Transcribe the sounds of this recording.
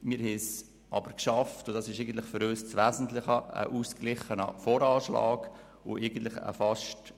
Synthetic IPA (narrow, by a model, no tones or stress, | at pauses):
mɪːɾhes | ʔɑb̥əɾkʃɑftʊdɑːsɪʃeɪɡən̩tlɪχfʏɾøːst͡sʋæːzən̩tlɪχəə̰ʔuːsklɪχənəfɔːɾɑːʃlɑ̰ːɡ | ʊʔeɪɡən̩tlɪχə̰fɑʃt